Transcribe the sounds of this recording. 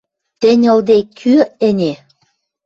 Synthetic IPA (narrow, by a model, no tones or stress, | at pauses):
t̪ɘ̆nʲɤ̆ld̪ekʰyɘ̆nʲe